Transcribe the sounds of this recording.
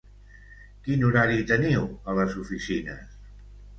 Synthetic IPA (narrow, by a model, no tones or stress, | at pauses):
kinuɾaɾit̪əniwələzufisinəs